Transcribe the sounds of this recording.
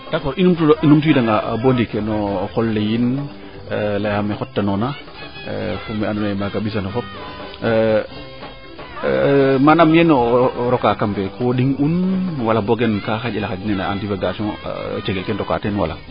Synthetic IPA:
dakɔɾinumtuinumtujidaŋɡa̰bondikenɔxɔlːejin | lajamexɔtːanɔna | fumɛanɔnamakaɓis̬anɔfɔp̚ | manamjɛnɔɾɔkakampekʰoɗiŋunwalaboɡenkaxaɟilaxad͡ʒnɛnaa̰ntifeɡasɔ̰̃t͡ʃeɡelkɛntɔka̰tɛnwa̰la̰

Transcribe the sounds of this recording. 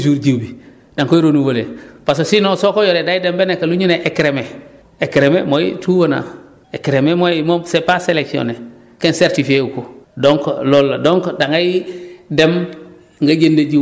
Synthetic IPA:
s̬uɾɟibi | daŋkoiɾonuwolḛpas̬osinosokojoɾedajidembenekaluɲuneʔekɾeme | ekɾememojḭtʰuwona̰ | ekɾememojimosepaseleksio̰ne | kenseɾtifieukodoŋklolːadoŋkdaŋɡajidem | ŋɡaɟendeɟi

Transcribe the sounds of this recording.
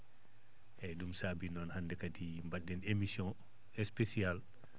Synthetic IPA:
ʔɛdumsabinɔnhandɛkadi | mbaɗːɛnemisjɔ̃ | ɛspesial

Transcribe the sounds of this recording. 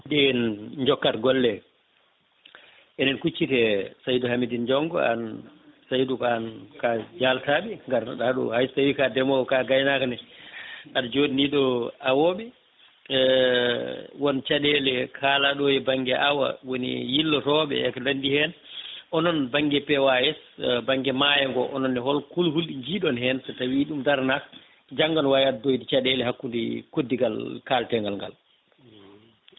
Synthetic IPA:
dɛnɲd͡ʒɔkːatɡɔlːɛ | ʔɛnɛnkut͡ʃːitɛsajduhamidind͡ʒɔŋɡɔ̰a̰nsajdukɔankad͡ʒaltaɓiŋɡaɾɗaɗɔ̰hajstawikadɛmɔɔkaɡajnakanɛ | ʔand͡ʒodiniɗɔawoɓɛ | wɔnt͡ʃaɗɛlɛkʰaːlaɗɔjɛbaŋɡɛʔawa̰wonḭjilːɔɾɔːɓɛ̰ɛkadandihɛnʔɔnɔnbaŋɡɛpɛwajɛsbaŋɡɛmajɛŋɡɔ̰ʔɔnɔnːɛɦɔlkulhulɗiɲd͡ʒiɗɔnhɛnsɛtawiːɗumdaɾnak | d͡ʒaŋɡanwajaddojdit͡ʃaɗɛlɛhakːundḭkodːiɡalkaːltɛŋɡalŋɡa̰l

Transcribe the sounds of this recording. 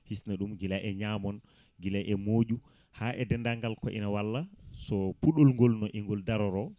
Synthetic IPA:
hisnaɗumɡilajʔɛɲaːmɔn | ɡilajʔɛmoːʄu | haʔɛdɛndaŋɡalkɔʔḭnawalːasɔpuɗɔlŋɡɔlnɔʔiŋɡɔldaɾɔɾɔ

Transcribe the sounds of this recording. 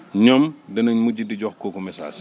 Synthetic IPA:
ɲɔmdɐnɐɲmuɟidiɟɔxkoːkumɛsa̰ːs

